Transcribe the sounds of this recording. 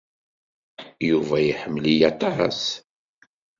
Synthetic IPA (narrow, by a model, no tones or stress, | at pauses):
juvæjiħəmːlijɑt̪ˤɑs